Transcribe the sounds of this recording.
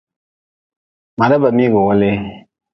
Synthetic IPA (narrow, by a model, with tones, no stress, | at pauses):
mã˨da˦bə˨mĩ˦ɡo˨wɔ˦le˦